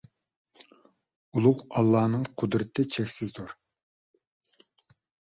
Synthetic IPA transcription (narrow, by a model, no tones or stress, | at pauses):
ulˠʊʁɑlˠːɑːnɨŋqʰʊd̪ɾɨt̪ʰɪt͡ʃʰɛkʲsɪzd̪uɾ